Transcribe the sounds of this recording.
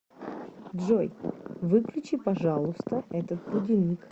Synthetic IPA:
dʐojvɨklʲʉt͡ɕipɐʐalˠʊst̪əɛt̪ət̪̚bʊdʲɪlʲnʲik

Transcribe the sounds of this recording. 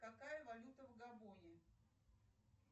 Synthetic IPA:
kɐkajəvɐlʲut̪əvɡɐbonʲɪ

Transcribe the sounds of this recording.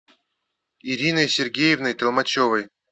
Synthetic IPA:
iɾʲinəjsʲerɡʲejɪvnɨjt̪əlˠmat͡ɕovəj

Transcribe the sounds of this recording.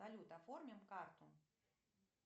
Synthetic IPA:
alʲut̪afɔrmʲɐmkart̪u

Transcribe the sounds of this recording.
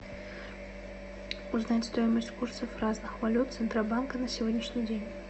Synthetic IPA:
ʊznatʲst̪o̞jɪməsʲt̪ʲkursəfraznɨxvɐlʲut̪t̪sɨnt̪ɾabankənəsʲɪvodʲnʲɪʂnʲɪjdʲenʲ

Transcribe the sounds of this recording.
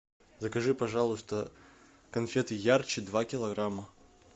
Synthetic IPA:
zəkɐʐɨpɐʐalˠʊst̪ə | kɐnfʲet̪ɨjart͡ɕɪd̪vakʲɪlˠɐɣɾamːə

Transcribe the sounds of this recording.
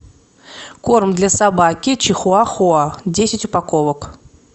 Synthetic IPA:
kormd̪lʲasabakʲɪt͡ɕɪxʊaxʊadʲesʲɪtʲʊpakovək

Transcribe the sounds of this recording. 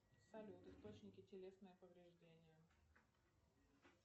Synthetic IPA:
sɐlʲut̪ɨst̪o̞t͡ɕnʲɪkʲɪtʲɪlʲe̞snəjəpəvɾʲɪʐdʲenʲɪjə

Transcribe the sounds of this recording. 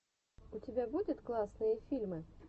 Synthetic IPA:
ʊtʲɪbʲabud̪ʲʊt̪klˠasnɨjəfʲilʲmɨ

